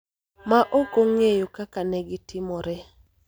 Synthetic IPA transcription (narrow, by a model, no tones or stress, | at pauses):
maʔokoŋejokakanɛɡɪtʰɪmɔɾɛ